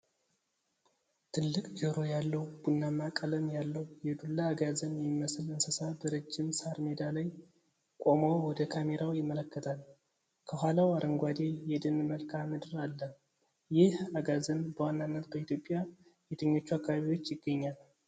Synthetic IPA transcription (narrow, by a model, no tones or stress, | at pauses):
t̪ʰɨlːɨkʼd͡ʒəɾo̞jalːəwb̥unːamakʼələmjalːəwjɛd̪ulːaːɡazənjɛmimːəsɨlɨnsəsabəɾɨd͡ʒːɪmsaɾmed̪alaj | kʼo̞mowwɔd̪əkʰame̞ɾawjɪmːələkːət̪ʰal | kʰəɦʷalawaɾʔəŋɡʷad̪e̞jɛd̪ɨnməlkʰamɨd̪ɨɾalːə | jɪhaɡazənbəwanːanːət̪bəit̪ʰjo̞pʼːja | jet̪ʰəɲːo̞t͡ʃːuakːaβaβiwo̞t͡ʃːjɪɡːəɲːal